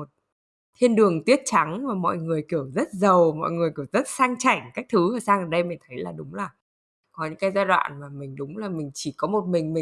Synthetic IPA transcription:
mo˨˩t̚ | t̪ʰi˧ənɗɨ˨˩ə˩ŋt̪wi˦˥ət̚t͡ɕa˨˦ŋmaː˨˩mɔ̰˧˨jŋɨ˨˩əjki˧˩əwzə˦˥t̚zə˨˩wmɔ̰˧˨jŋɨ˨˩əjki˧˩əwzə˦˥t̚saː˧ŋt͡ɕa˧˩jŋ̟kaː˦˥k̟̚t̪ʰɨ˨˦vəː˨˩saː˧ŋʔəː˧˩ɗə˧jmï̟˨˩t̪ʰə˨˦jlaː˨˩ɗʊ˨˦ŋ͡mlaː˨˩ | kɔ˨˦ɲɨ̰˧˥ŋkaː˨˦jzaː˧ɗwa̰ː˧˨nmaː˨˩mï˨˩ŋ̟ɗʊ˨˦ŋ͡mlaː˨˩mï˨˩ŋ̟t͡ɕi˧˩kɔ˨˦mo˨˩t̚mï˨˩ŋ̟mï˨˩

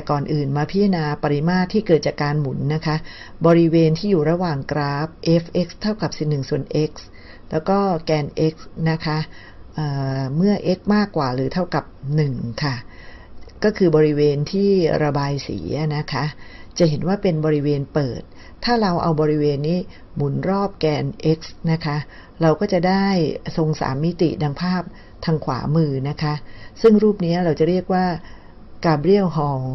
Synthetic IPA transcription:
t̪ɛ˨˩kɔː˨˩nʔɯː˨˩nmaː˧pʰi˦˥a˧naː˧pa˧ɾi˦˥maː˥˩t̪ʰːiː˥˩kɤː˨˩t̪̚t͡ɕaː˨˩kːaː˧nmu˩˦nːa˦˥kʰa˦˥ʔ | bɔː˧ɾi˦˥weː˧nt̪ʰiː˥˩juː˨˩ɾa˧waː˨˩ŋkɾaː˦˥p̚ʔe˦˥fʔe˦˥k̚st̪ʰːa˥˩wka˨˩p̚si˨˩nːɯ˨˩ŋsu˨˩ənʔe˦˥k̚s | lɛː˦˥wkɔː˥˩kɛː˧nʔe˦˥k̚sna˦˥kʰa˦˥ʔ | ʔəː˨˩mɯ˥˩ɐʔe˦˥k̚maː˥˩kːwaː˨˩ɾɯː˩˦t̪ʰa˥˩wka˨˩p̚nɯ˨˩ŋkʰa˥˩ | kɔː˥˩kʰɯː˧bɔː˧ɾi˦˥weː˧nt̪ʰiː˥˩ɾa˧baː˧jsḭː˩˦ʔa˨˩na˦˥kʰa˦˥ʔt͡ɕa˨˩ɦe˩˦nwaː˥˩pe˧nbɔː˧ɾi˦˥weː˧npɤː˨˩t̪̚ʰː | aː˥˩ɾa˧wʔa̰˧wbɔː˧ɾi˦˥weː˧nːiː˦˥ | mu˨˩˦nɾɔː˥˩p̚kɛː˧nʔe˦˥k̚sna˦˥kʰa˦˥ʔ | ɾa˧wkɔː˥˩t͡ɕa˨˩ʔdaː˥˩jso˧ŋsa̰ː˩˦mːi˦˥t̪ḭ˨˩daː˧ŋpʰaː˥˩p̚ | t̪ʰaː˧ŋkʰwa̰ː˩˦mɯː˧na˦˥kʰa˦˥ʔsɯ˥˩ŋɾuː˥˩p̚ni˦˥ɐɾa˧wt͡ɕa˨˩ɾi˥˩ək̚waː˥˩ | kaː˧bɾi˥˩əwɦɔː˧

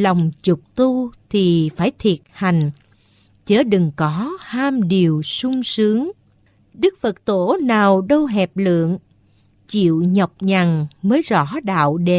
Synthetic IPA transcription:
la˨˩wŋ͡mt͡ɕʊ˨˩k͡p̚t̪u˧t̪ʰi˨˩faː˧˩jt̪ʰi˨˩ət̚ha˨˩jŋ̟ | t͡ɕəː˧˦ɗɨ˨˩ŋkɔ˨˦haː˧mɗi˨˩əwsʊ˧ŋ͡msɨ˨˦əŋ | ɗɨ˦˥k̚fə˨˩t̚t̪o˧˩naː˨˩wɗə˧wɦɛ˨˩p̚lɨ̰˧˨əŋ | t͡ɕḭ˧˨wɲə˨˩wk͡p̚ɲa˨˩ŋməː˨˦jzɔ̰˧˥ɗa̰ː˧˨wɗe˧˩

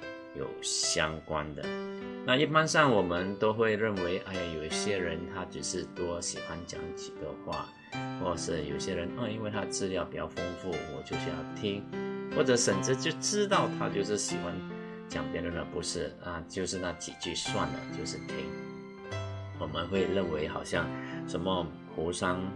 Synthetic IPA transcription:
jo˨˩ʊɕjɑ˥ŋkwa̰˦nd̪ə̰˨na˥˧i˥˩pa˥nʂɑ˥˩ŋwɔ˨˩mə˧˦nt̪o˥ʊxwe˥˧ɪɻə˥˩nwe˧˥ɪʔa˥˩ja˨˩jo˨˩ʊi˥ɕjɛ˥ɻə˧˦˥nt̪ʰa˥ʈ͡ʂɻ̩˨˩ʂɻ̩˥˩t̪wɔ˥ɕi˨˩xwa˧˦nt͡ɕjɑ̰˨˩˦ŋt͡ɕi˨˩ɡə̰˦xwa̰˥˩ | xwɔ˥˩ʂɻ̩˥˩jo˨˩ʊɕjɛ˥ɻə˧˥nə˥˧˩i˥nwe˥˩ɪt̪ʰa˥ʈ͡ʂɻ̩˥˧ljɑ˥˩ʊpi˨˩t͡ɕjɑ˥˩ʊfə˥nfu˥˩wɔ̰˨˩t͡ɕjo˥˩ʊɕy˥jɑ̰˥˩ʊt̪ʰi˥ŋxwɔ˥˩ʈ͡ʂɤ˧˥ʂə˨˩nʈ͡ʂ̩˥t͡ɕjo˥˩ʊʈ͡ʂɻ̩˥t̪ɑ˥˩ʊt̪ʰa̰˥t͡ɕjo˥˧ʊʂɻ̩˥˩ɕi˨˩xwa̰˦n | t͡ɕjɑ˨˩ŋpjɛ˧˥nə˥˩nd̪ə˨˩pu˧˥ʂɻ̩˥˩a˥˧t͡ɕjo˥˧ʊʂɻ̩˥˧na˥˩t͡ɕḭ˨˩t͡ɕy˥˩swa˥˩nd̪ə̰˩t͡ɕjo˥˧ʊʂɻ̩˥˩t̪ʰjɛ̰˥˩ | wɔ˨˩mə˦nxwe˥˧ɪɻə˥˩nwe˧˥ɪxɑ˨˩ʊɕjɑ˥˩ŋʂə˧˥nmə˧ | pʰu˧˥ʂɑ˥ŋ

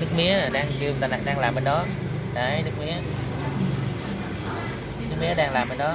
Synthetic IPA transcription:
nɨ˦˥k̚mi˨˦˥əna˨˩ɗaː˧ŋt͡ɕi˧ət̪aː˨˩na̰˨˩k̚ɗaː˧ŋlaː˨˩mːə˨˩nɗɔ˨˦ | ɗə˨˧˩jnɨ˦˥k̚mi˨˦ə | nɨ˦˥k̚mi˨˦əɗaː˧ŋlaː˨˩mːbə˨˩nɗɔ˨˦

